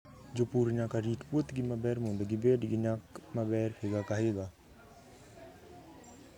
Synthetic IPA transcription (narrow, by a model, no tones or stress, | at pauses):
d͡ʒoːpuːɾnaːkaɾiːʈput̪ɡimabɛːɾmõnd̪aɡibeːɖɡiɲakmabɛːɾpʰeːɡaːkaːɦeːɡaː